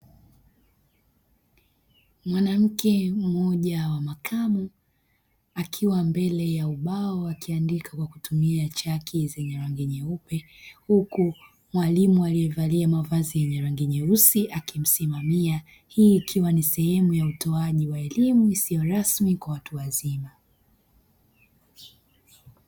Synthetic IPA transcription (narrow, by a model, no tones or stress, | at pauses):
mwanam̩kʰɛm̩ɔʄawamakʰamu | akʰiwambɛlɛjauɓaɔakiandikakwakutʰumiat͡ʃakʰizɛɲɛɾaŋɡɛɲɛupɛ | huku | mwalimualijɛvaliamavazijɛɲɛɾaŋɡɛɲɛusiʔakim̩simamia | hiːkʰiwanisɛhɛmujautʰɔaʄiwaɛlimuisijɔɾasmikwawatuwazima